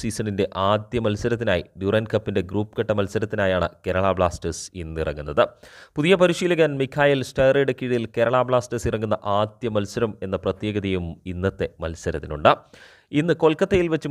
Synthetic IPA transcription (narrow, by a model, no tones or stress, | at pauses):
siːsɐɳinde̞ʔaːd̪jɐmɐlsɐɾɐt̪ːinaːjḭd̪urɐːnkɐpːinde̞ɡruːpːɨ̥kɐʈːɐmɐlsɐɾɐt̪ːinaːjaːɳɨ̰ke̞ɾɐɭaːbɭaːsʈɐsinːirɐ̰ŋːunːɐðɨpuðijɐpɐɾiʂiːlɐɣaːnmikʰːaːjɐlsʈɐjreɽɐkːiːɽɐilke̞ɾɐɭaːbɭaːsʈɐsirɐŋːunːɐʔaːd̪jɐmɐlsɐɾɐme̞nːɐprɐt̪je̞ːɡɐðijuminːɐt̪ːe̞mɐlsɐɾɐt̪ːinuɳɖɨ | inːɨko̞lkːɐt̪ːejilʋɐt͡ɕːɨ